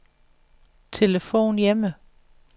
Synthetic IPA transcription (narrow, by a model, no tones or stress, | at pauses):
t͡sʰe̝ləfo̝̰ːnjemə